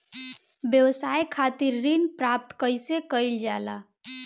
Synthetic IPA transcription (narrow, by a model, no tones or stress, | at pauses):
bjəwsajkʰat̪iɾːinpɾap̚t̪kəjsekəjld͡ʒala